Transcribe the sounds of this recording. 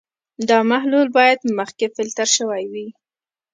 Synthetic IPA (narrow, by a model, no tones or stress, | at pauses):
d̪ɑmaɦlulbɑjad̪məxkefɪlt̪aɾʃəwajwi